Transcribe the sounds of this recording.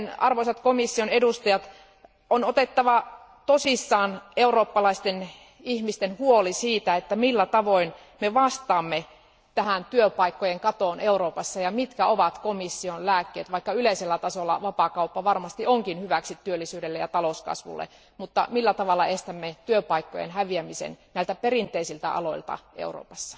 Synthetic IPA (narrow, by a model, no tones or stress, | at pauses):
nɑ̰rʋoisɑt̪komisːionedust̪ɑjɑt̪ | onot̪et̪ːɑʋɑ | t̪osisːɑːneuroːpːɑlɑist̪en | ihmist̪enhuolisiːt̪æet̪ːæmilːæt̪ɑʋoin | meʋɑst̪ɑːmːe | t̪æhænt̪yøpɑikːojeŋkɑt̪oːneuroːpɑsːɑjɑmit̪kæoʋɑt̪komisːionlæːkːḛːt̪ʋɑikːɑyleiselːæt̪ɑsolːɑ̰ʋɑpɑkɑupːɑʋɑrmɑst̪ioŋkinhyʋæksit̪ːyølːisyːdelːejɑ̰t̪ɑloskɑ̰sʋṵlːḛ | mut̪ːɑ̰milːæt̪ɑʋɑlːˑɑest̪æmːet̪yøpɑikːo̰jḛnɦæʋiæmisḛnnæˑilt̪æperint̪eisilt̪æ̰ʔɑ̰loilt̪ɑ̰ḛuro̰ːpɑsːɑ̥